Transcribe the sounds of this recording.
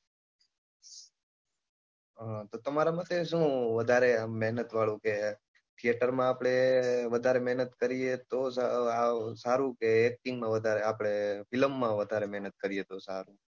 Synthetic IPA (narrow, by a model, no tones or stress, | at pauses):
t̪ot̪əmaɾamat̪eʃũːʋəd̪ʱaɾemɛɦnət̪ʋaɭũke | t̪ʰijeʈəɾmãapɽ̃eʋəd̪ʱaɾemɛɦnət̪kəɾijet̪os | saɾũkeːk̚ʈĩŋɡmãʋəd̪ʱaɾeapɽ̃efɪlmːãʋəd̪ʱaɾemɛɦnət̪̚kəɾijet̪osaɾũ